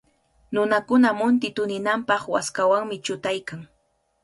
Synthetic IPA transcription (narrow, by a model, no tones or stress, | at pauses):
nʊnakʊnamʊnt̪ɪt̪ʊnɪnampɑχwaskawaŋmɪt͡ʃʊt̪ajkaŋ